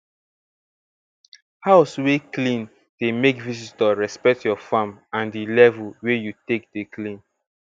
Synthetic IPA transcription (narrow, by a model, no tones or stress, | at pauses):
haʊsweklĩn | d̥emekvisitaɹɛspɛk̚tjɔfamãndilɛvulwejutek̚deklĩn